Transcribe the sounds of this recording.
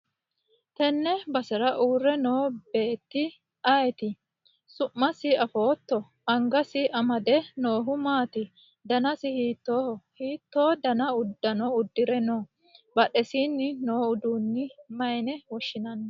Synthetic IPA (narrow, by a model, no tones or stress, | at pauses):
t̪ɛnːɛbɐsɛɾɐʔuːrːɛno̞ːbe̞ːt̪ːɪ | ɐjt̪ɪ | sʊʔːɐsɪɐfo̞ːt̪ːɔ | ɐŋɡɐsɪʔɐmɐd̪ɛno̞ːɦʊmaːt̪ɪ | d̪ɐnɐsɪhiːt̪ːoːhiːt̪ːo̞ːd̪ɐnɐʊd̪ːɐnɔʊd̪ːɪɾɛnoː | bɐɗɛsiːnːɪno̞ːʊd̪uːnːɪmɐjnɛwɔʃːɪnɐnːɐ